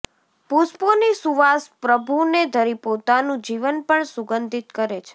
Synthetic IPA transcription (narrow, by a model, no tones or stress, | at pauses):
pusponisuʋaspɾəbʱuned̪ʱəɾipot̪anũd͡ʒiʋənpəɳsuɡənd̪ʱit̪kəɾet͡ʃʰe̥